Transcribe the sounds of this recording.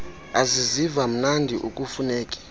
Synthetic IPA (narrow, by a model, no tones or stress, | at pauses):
azizivam̩nandʱiʔuk̬ʼufunɛːkʼi̥